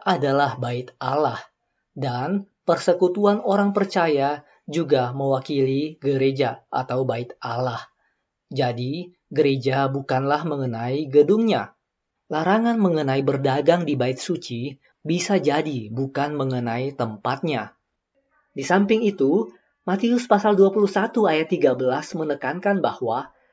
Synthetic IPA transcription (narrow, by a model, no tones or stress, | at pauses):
ʔadalahbaɪt̪alah | dan | pərsəkut̪uanoɾaŋpərt͡ʃaja | d͡ʒuɡaməwakiliɡəɾed͡ʒaʔa̰t̪awbaɪt̪alah | d͡ʒadi | ɡəɾed͡ʒabukanlahməŋənaiɡədʊŋɲa | laɾaŋanməŋənaibərdaɡaŋdibaɪt̪̚sut͡ʃi | bisad͡ʒadibukanməŋənait̪əmpat̪̚ɲa | disampɪŋit̪u | mat̪iʊspasalduapuluhsat̪uajat̪ːiɡabəlasmənəkankanbahwa